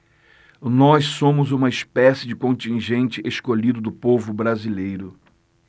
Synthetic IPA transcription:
nɔssõmʊzũmɐispɛsɪd͡ʒɪkõnt͡ʃĩʒẽnt͡ʃɪʔeskoʎid̪ʊd̪ʊpovʊbɾazilejɾʊ

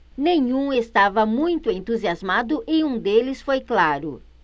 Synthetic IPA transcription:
nẽɲũest̪avɐmũj̃t̪ʊẽnt̪uziazmad̪ʊʔɪũd̪elɪsfojklaɾʊ̰

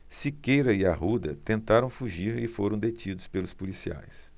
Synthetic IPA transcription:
sikejɾɐɪaɦud̪ɐt̪ẽnt̪aɾɐ̃w̃fuʒiɾɪfoɾɐ̃w̃d̪et͡ʃid̪ʊspelʊspulisia̰js

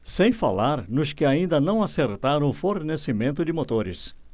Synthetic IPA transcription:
sẽj̃fa̰laɾnʊskɪaĩnd̪ɐnɐ̃w̃aseɾt̪aɾɐ̃w̃ʊfoɾnesɪmẽnt̪ʊd͡ʒɪmot̪oɾɪ̰s

